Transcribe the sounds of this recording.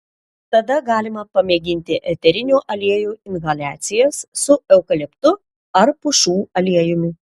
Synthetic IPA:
t̪ɐd̪ɐɡɑːlʲɪmɐpɐmʲeːɡʲɪnʲt̪ʲɪʔɛt̪ʲɛɾʲɪnʲuːʔɐlʲiɛjuːɪnɣɐlʲæːt̪sʲɪjɛssʊɛʊkɐlʲɛpt̪ʊ | ɐɾpʊʃuːɐlʲiɛjʊmʲʊ

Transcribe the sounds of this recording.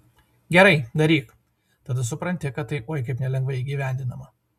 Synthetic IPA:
ɡʲɛɾɐɪd̪ɐɾʲiːk | t̪ɐd̪ɐs̬ʊpɾɐnʲt̪ʲɪkɐt̪t̪ːɐɪʔoːjkɐɪpnʲɛlʲɛŋɡʋɐɪiːɡʲiʋʲæˑnʲd̪ʲɪnɐmɐ

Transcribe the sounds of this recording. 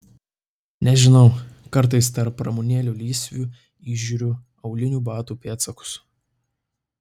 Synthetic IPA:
nʲɛʒʲɪnɒʊkɐɾˑt̪̬ɐɪst̪ɐɾpːɾɐmuːnʲeːlʲuːlʲiːsʲʋʲuː | iːʒʲuːɾʲʊ | ɐʊlʲɪnʲuːbɑːt̪uːpʲeːt̪sɐkʊ̥s

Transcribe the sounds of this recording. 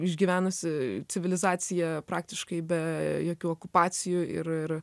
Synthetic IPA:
ɪʒʲɡʲiʋʲæːnɐsʲɪt͡s̪ʲɪʋʲɪlʲɪzɑːsʲɪjɛpɾɑːk̚t̪ʲɪʃkɐɪbʲɛjoːkʲuːoːkʊpɑːt͡ssʲɪjuɪ̰ɾɪr

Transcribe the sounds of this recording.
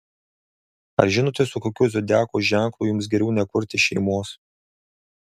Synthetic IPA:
ɐ̰ɾʒʲɪnoːt̪ʲɪsʊkoːkʲuːzʲod̪ʲæːkuːʒʲæˑŋˑklˠuːjʊms̬ɡʲɛɾʲɛʊnʲɛkʊɾʲt̪ʲɪʃʲɛɪmoːs

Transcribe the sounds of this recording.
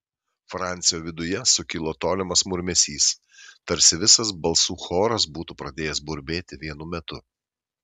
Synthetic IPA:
fɾɑˑnʲt̪sʲɪjoːʋʲɪd̪ʊjɛsʊkʲɪlˠoːt̪oːlʲɪmɐsmʊɾʲmʲɛsʲiːs | t̪ɐɾʲsʲɪʋʲɪsɐs̬bɐlˠsuːxoːɾɐs̬buːt̪upɾɐd̪ʲeːjɛsbʊɾʲbʲeːt̪ʲɪʋʲiɛnʊmʲɛt̪ʊ

